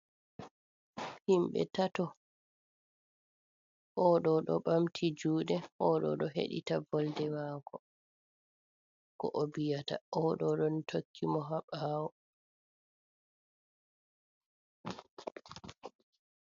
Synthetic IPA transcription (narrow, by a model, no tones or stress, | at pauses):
himɓɛ̰tatɔ | ʔɔɗɔɗɔ̰ɓamtʰid͡ʒuːɗɛʔɔɗɔ̰ɗɔɦḛɗḭtabɔldɛwaːkʰɔ | kɔ̰ʔobijata̰ɔɗɔɗɔntʰokʰːimɔɦaɓaːwɔ